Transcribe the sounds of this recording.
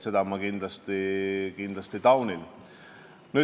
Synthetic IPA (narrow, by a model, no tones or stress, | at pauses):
sed̪ɑmɑkind̪lɑst̪ikind̪lɑst̪it̪ɑwnil | ny